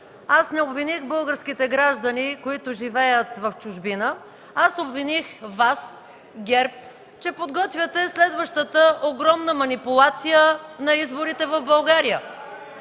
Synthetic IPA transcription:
asnɛobvinixbɤlˠɡəɾsk̟it̪ɛɡɾaʒd̪ənikoit̪ʊʒivɛjət̪vəft͡ʃʊʒbinə | asobvinixvas | ɡʲɛɾp̚ | t͡ʃɛpod̪ɡɔt̪vʲjət̪ɛslɛd̪vəʃt̪ət̪əʔoɡɾɔmnəmɐnipʊlˠat̪sijənɐizbʊɾit̪ɛvəvbɐlˠɡaɾijə

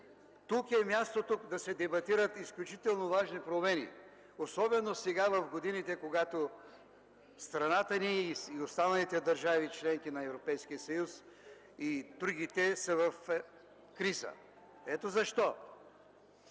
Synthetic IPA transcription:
t̪ukɛmʲjast̪ot̪ukd̪ɐsɛd̪ɛbɐt̪iɾət̪isklʲut͡ʃit̪ɛlˠnovaʒnipɾomɛnḭ | osɔbɛnosɛɡavɐfɡod̪init̪ɛkoɡat̪o | st̪ɾɐnat̪əniːiost̪anɐlit̪ɛd̪ɐɾʒavit͡ʃlɛŋk̟inɐɛvɾopɛjskiəsɐjus | id̪ɾuɡit̪ɛsɐvɐf | kɾizə̰ | ɛt̪ozɐʃt̪ɔ

